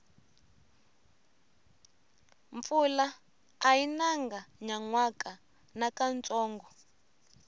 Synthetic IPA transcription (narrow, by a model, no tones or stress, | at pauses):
ɱfulaː | jinaŋɡaɲaŋwakʼa | nakant͡sɔːŋɡɔ